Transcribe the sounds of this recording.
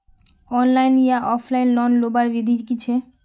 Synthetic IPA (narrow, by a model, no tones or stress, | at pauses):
ɔnlajnijaʔɔfʰlajnlɔnlobaɾbid̪ʱikit͡ɕʰe